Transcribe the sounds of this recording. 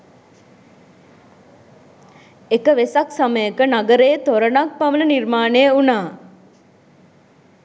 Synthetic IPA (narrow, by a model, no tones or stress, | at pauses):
ekəʋesaksaməjəkənaɡəɾeːt̪oɾənak̚paʋələnirmaːnejəunaː